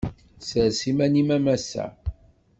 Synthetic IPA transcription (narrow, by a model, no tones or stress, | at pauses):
səɾsimænimæmæsæ̰